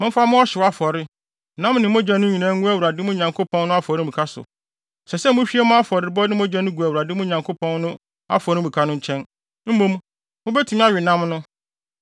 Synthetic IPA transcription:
mʊ̃˦fa˦mʊ̃˦ɔ˦ɕɪ˨wa˦fɔ˨ɾɪ˦ | nã˦mnɪ̃˨m˦ʊ̃˦d͡ʑɛ˨nʊ̃˦ɲĩ˨nã˦ŋũ˦æ˦˨wu˨ɾa˨dɪ˦mʊ̃˦ɲã˨ŋkʰo˦pʰɔ̃˦n˦nʊ̃˦a˦fɔ˨ɾɪ˦˨ĩ˨kʰa˦sʊ̰˨ | sɛ˨sɛ˦mʊ̃˦ɕᶣi˦ɛ˦mʊ̃˦a˦fɔ˨ɾɪ˨bɔ˦nɪ̃˦mʊ̃˦d͡ʑɛ˨˦nʊ̃˦ɡu˨æ˨wu˨ɾa˨dɪ˦mʊ̃˦ɲã˨ŋkʰo˦pʰɔ̃˦nnʊ̃˦ | a̰˦fɔ˨ɾɪ˦mũ˨kʰa˦nʊ̃˦ɲ̩˦t͡ɕʰɛ̃˦n | m̩˦mõ˦m̃˦ | mʊ̃˦bɛ˦tʰi˨m˦a˦ɥᶣɪ˨nã˦mnʊ̃˦

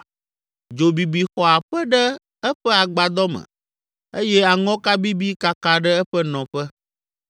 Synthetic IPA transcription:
d͡ʒo˨bi˨bi˨xɔ˨a˨ɸɛ˦ɖɛ˦ | ɛ˦ɸɛ˦a˨ɡ͡ba˨d̪ɔ˦mɛ̰̃˨ | e˦jɛ˦a˨ŋɔ̃˦ka˦bi˦bi˦ka˦˨ka˨ɖɛ˦ɛ˦ɸɛ˦nɔ̃˨ɸɛ˦

